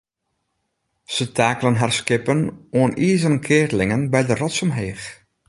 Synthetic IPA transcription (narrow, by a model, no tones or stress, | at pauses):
sətʰaːklənɦarskɪpənoəniːzənnkʰɪːrlɪŋənbɛjdərɔtsɔmɦeːx